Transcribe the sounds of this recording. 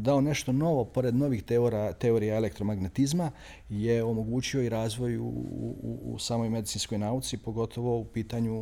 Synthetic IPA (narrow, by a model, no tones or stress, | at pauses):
d̪aone̞ʃt̪o̞no̞ʋo̞po̞ɾe̞d̪no̞ʋixt̪eoɾat̪e̞o̞ɾijaele̞k̚t̪ɾo̞maɡnet̪izma | jeo̞mo̞ɡuːt͡ɕio̞iɾaːzʋo̞j̰ṵṵṵsaːmo̞jme̞d̪it̪sinsko̞jnaːut̪sipo̞ɡo̞t̪ʰo̞ʋo̞upiːt̪aɲu